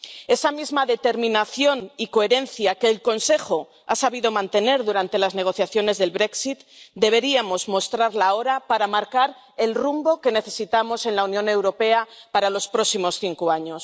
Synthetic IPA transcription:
e̞samizmaðe̞t̪e̞ɾmĩnaθjo̞niko̞eɾe̞nθjake̞ːlko̞nse̞xo̞ | a̰saβ̞ið̞o̞mãnt̪e̞ne̞ɾðuɾant̪e̞lazne̞ɣ̞o̞θjaθjo̞ne̞zðe̞lβɾe̞ksit̪d̪e̞β̞e̞ɾiamo̞zmo̞st̪ɾaɾlao̞ɾapaɾamaɾkaɾ | e̞lrumbo̞ke̞ne̞θe̞sit̪amo̞se̞nlaunjõ̞ne̞wɾo̞pe̞apaɾalo̞spɾo̞simo̞sθiŋkoaɲo̞s

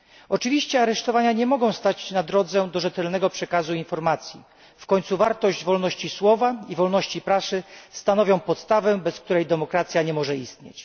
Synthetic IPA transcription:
ɔt͡ʂɘvʲiɕt͡ɕɛaɾɛʂt̪ɔvaɲaɲɛmɔɡɔ̃w̃st̪at͡ɕnad̪ɾɔd̪zɛd̪ɔʐɛt̪ɛlnɛɡɔpʂɛkazuinfɔɾmat̪sʲji | fkɔɲt̪suvaɾt̪ɔʑd͡ʑvɔlnɔɕt͡ɕiswɔvaivɔlnɔɕt͡ɕipɾasɘst̪anɔvʲjɔ̃w̃pɔt̪st̪avɛbɛsk̚t̪uɾɛjd̪ɛmɔkɾat̪sʲjaɲɛmɔʐɛist̪ɲḛt͡ɕ

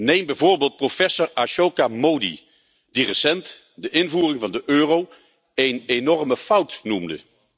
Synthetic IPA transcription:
nejmbɛjvʊːɹbeːlˠt̚profɛsoɹaʃokamowdḭ | d̥irəsɛnt | dəʔɪnvuːrɪŋvɑndəʔøːrow | ejnenɔɹməfʌwtnumdə̰

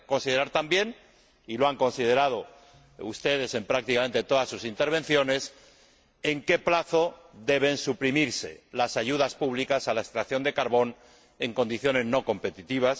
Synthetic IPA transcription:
ko̞nsið̞eɾaɾt̪ambje̞n | iloaŋko̞nsið̞e̞ɾað̞o̞ | ust̪e̞ð̞e̞se̞mpɾak̚t̪ikame̞nt̪e̞t̪o̞ðasːusint̪e̞ɾβ̞ẽ̞nθjo̞ne̞s | eŋke̞plaθo̞ðe̞β̞e̞nsupɾimiɾse̞lasaʝuðaspuβ̞likasalaest̪ɾakθjo̞nd̪e̞kaɾβo̞n | e̞ŋko̞nd̪iθjo̞ne̞zno̞ko̞mpe̞t̪it̪iβ̞as

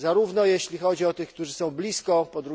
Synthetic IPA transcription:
zaɾuvnɔjeɕlʲixɔd͡ʑiɔt̪ɘxk̚t̪uʐɘsɔ̃w̃blʲiskɔpɔd̪ɾu

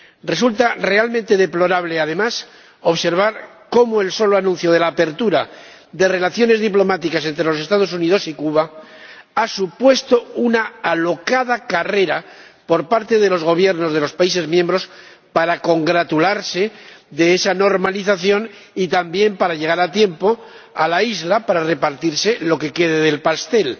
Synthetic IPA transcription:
re̞sult̪are̞alment̪e̞ðe̞plo̞ɾaβ̞le̞að̞e̞mas | o̞βse̞ɾβ̞aɾ | ko̞moe̞lso̞loanũn̟θjo̞ð̞e̞laːpe̞ɾt̪uɾa | d̪e̞re̞laθjo̞ne̞zðiplo̞mat̪ikase̞nt̪ɾelo̞s̬e̞st̪að̞o̞s̬unið̞o̞sikuβa | asupwe̞st̪o̞unaːlo̞kaðakare̞ɾapo̞ɾpaɾt̪e̞ðe̞lo̞zɣ̞o̞β̞je̞ɾno̞zðe̞lo̞spaise̞zmjẽ̞mbɾo̞s | paɾako̞ŋɡɾat̪ulaɾse̞d̪e̞esano̞ɾmaliθaθjo̞n | it̪ambje̞mpaɾaʎe̞ɣ̞aɾat̪je̞mpo̞ | alaizlapaɾare̞paɾt̪iɾse̞lo̞ke̞ke̞ðeðe̞lpast̪e̞l

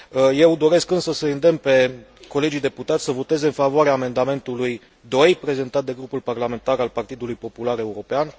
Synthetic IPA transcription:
əje̞wd̪o̞ɾe̞skɨnsəsəind̪empe̞ | ko̞le̞d͡ʒijd̪e̞put̪at̪ʲsəvo̞t̪e̞ze̞ɨnfavoaɾeaːme̞nd̪ame̞nt̪uluj | d̪o̞jpɾe̞ze̞nt̪at̪̚d̪e̞ɡɾupulparlame̞nt̪aɾalpart̪id̪ulujpo̞pulaɾe̞uɾo̞pean

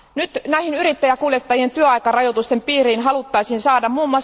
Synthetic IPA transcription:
nyt̪næihinyɾit̪ːæjækuːljet̪ːɑjient̪yøɑjkɑrɑjot̪ust̪empiːriːnɦɑlut̪ːɑjsiːnsɑːdɑmmuːmːɑs

